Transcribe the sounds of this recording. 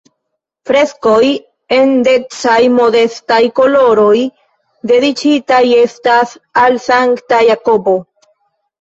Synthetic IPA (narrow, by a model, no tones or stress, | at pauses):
fɾe̞sko̞j | e̞nde̞t͡sajmo̞de̞stajko̞lo̞ɾo̞j | de̞dit͡ʃitaje̞stasalsaŋktajako̞bo̞